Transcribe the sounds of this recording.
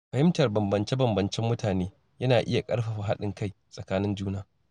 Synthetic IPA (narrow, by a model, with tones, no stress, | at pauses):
ɸɐ˨hɪ˦mtɐ˨rbɐ˨mbɐ˨nt͡ʃe˦bɐ˨mbɐ˨nt͡ʃɛ˦mːʊ˦tʰaː˨neː˦ | jɐ˦naː˨ʔɪ˦ja˨kʼɐ˦ɽɸa˨ɸa˨ɦa˦ɗɪ˨ŋka˦˨j | sʼɐ˨kaː˦nɪ˦nd͡ʒuː˦naː˦